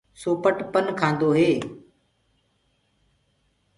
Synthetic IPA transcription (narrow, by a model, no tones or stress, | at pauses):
soːpəʈpənkʰãːn̆d̪oɦeː